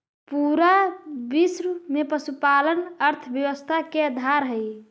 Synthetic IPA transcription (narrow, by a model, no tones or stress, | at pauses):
puɾabisɾmepəsupalənəɾt̪ʰəbjəwəst̪ʰakeəd̪ʱaɾɦəj